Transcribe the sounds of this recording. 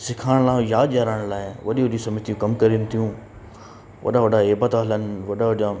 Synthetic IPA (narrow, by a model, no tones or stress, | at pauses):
sɪkʰaːɽ̃lãːjaːd̪jaːɾaːɽ̃laːɪʋɐɗiʋɐɗĩsɐmit̪ijũkɐmkɐɾiːnɪ̆t̪ʰijũː | ʋɐ̰ɗaʋɐɗaeːbət̪aɦlənɪ̆ʋɐɗaʋɐɗijã